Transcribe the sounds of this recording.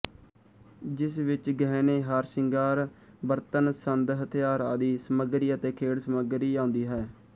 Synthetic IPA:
d͡ʒɪsʋɪt͡ʃɡɛːneːɦaɾsɪŋɡaːɾ | bəɾt̪ənsənd̪ɦət̪ʰɪjaːɾaːd̪iːsəməɡɾiːət̪eːkʰeːɽsəməɡɾiːãːnd̪iːɦɛː

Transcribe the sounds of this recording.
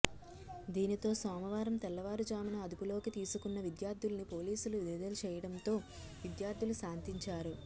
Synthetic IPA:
d̪iːnit̪o̞ːsɔːmɐʋaːɾɐmt̪ɛlːɐʋaːɾud͡ʒaːmɐnɐɐd̪upulo̞ːkit̪iːsukunːɐʋid̪jaːɾd̪ʱulɐnipo̞ːliːsulud̪id̪ɐlut͡ʃɛːjɐɽɐnt̪o̞ː | ʋid̪jaːɾd̪ʱulusaːnt̪iɲt͡ʃaːɾu

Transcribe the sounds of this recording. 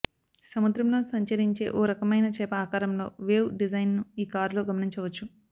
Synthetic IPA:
sɐmud̪ɾɐmlo̞ːsɐɲt͡ʃɐɾiɲt͡ʃe̞̰ːʔoːɾɐkɐmɐjnɐt͡ʃɛːpɐaːkaːɾɐmlo̞ːʋeːʋɖid͡ʒɐjnnuiːkaːɾloːɡɐmɐniɲt͡ʃɐʋɐt͡ʃːu

